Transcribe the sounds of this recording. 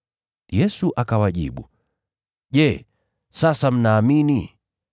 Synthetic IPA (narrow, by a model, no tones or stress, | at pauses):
jɛsuʔakawaʄḭɓṵ | ʄɛ | sasam̩naːmini